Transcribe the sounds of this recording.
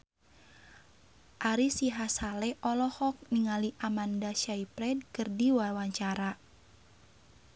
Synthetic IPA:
ʔaɾisiɦasalɛʔɔlɔhɔk̚niŋaliʔamandaʃaipɾɛd̚kɨrdiwawaɲt͡ʃaɾa

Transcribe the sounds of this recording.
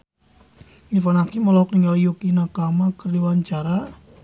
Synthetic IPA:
nifanakiməlɔɦɔk̚niŋɡaljukinakamakərdiwaɲt͡ʃaɾa

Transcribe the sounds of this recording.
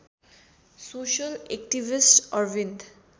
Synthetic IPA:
soːʃəlekʈiʋɪsʈɔɾʋĩnd̪

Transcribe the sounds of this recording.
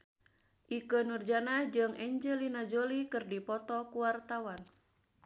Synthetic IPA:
ʔikənurd͡ʒanad͡ʒɨŋʔɛɲd͡ʒɛlinad͡ʒolikɨrdipɔt̪ɔkuwart̪awan

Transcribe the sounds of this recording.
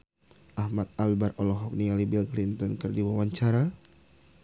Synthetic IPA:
ʔahmat̪̚albarɔlɔɦɔk̚nialibilklint̪ɔnkɨrdiwawaɲt͡ʃaɾa

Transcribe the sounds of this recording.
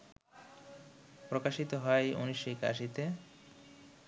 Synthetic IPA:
pɾokaʃit̪oɦɔeo̰niʃoika̰ʃit̪e

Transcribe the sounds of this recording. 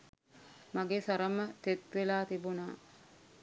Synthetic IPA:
maɡeːsaɾəmət̪et̪ʋelaːt̪ibunaː

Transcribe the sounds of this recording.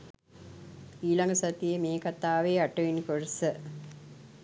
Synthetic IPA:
iːlɐŋɡɐsɐt̪ːijemeːkɐt̪ːaːʋeːɐʈːɐʋinkoɻɐsɨ

